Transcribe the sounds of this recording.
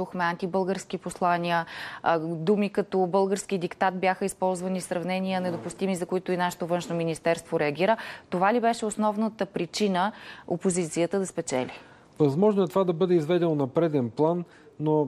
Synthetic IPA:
uxmɛant̪ibɤlˠɡəɾsk̟iposlˠanʲiə | d̪umikɐt̪ɔbɤlˠɡəɾsk̟id̪ikt̪at̪̚bʲjaxəispɔlˠzvɐnisɾɐvnɛnʲijənɛd̪opʊst̪imizɐkoit̪oinaʃɛ̥t̪ovɤnʃnominist̪ɛɾst̪voɾɛɐɡʲiɾət̪ovalibɛʃɛosnɔvnət̪əpɾit͡ʃinəopozit̪sijət̪əd̪ɐspɛt͡ʃɛ̰li | vɐzmɔʒnoɛt̪ovad̪ɐbɤd̪ɛizvɛd̪ɛnonɐpɾɛd̪ɛnplˠanː | o

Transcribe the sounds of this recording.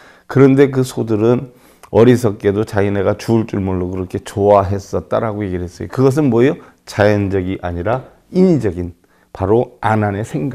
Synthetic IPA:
kɯɾʌnde̞k̬ɯsʰodɯɾɯn | ʌɾisʰʌk͈e̞dot͡ɕaine̞ɡat͡ɕuːɭt͡ɕ͈uɭmuɭːokɯɾʌkʰe̞t͡ɕoaɦe̞s͈ʌt̚t͈a̰ɾaɡoje̞ɡiɭɦe̞s͈ʌjokɯɡʌs̬ɯnmwʌjo | t͡ɕajʌnd͡ʑʌɡiʔaɲiɾa | iɲid͡ʑʌɡin | paɾoananesʰe̞ŋɡa

